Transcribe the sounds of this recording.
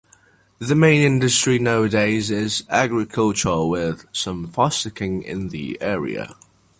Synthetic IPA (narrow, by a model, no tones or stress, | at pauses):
ðəmẽɪ̃nɪ̃ndəstɹ̥inaʊədeɪzɪzaɡɹɪkʰʌlˠt͡ʃəwɪð̥sə̃ɱfɒsɪkʰɪ̃ŋɪ̰̃nðḭɛːɹḭə̰